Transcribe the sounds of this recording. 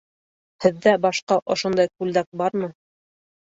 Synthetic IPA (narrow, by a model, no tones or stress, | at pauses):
hɘ̆ðːæbɑʃqɑʔŏʃŏnd̪ɑjkʉld̪æk̚bɑɾmɤ